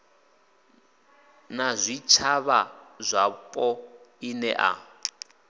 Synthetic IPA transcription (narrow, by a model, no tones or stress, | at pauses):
nazʷit͡ʃʰaβazʷapʼɔinɛʔa̰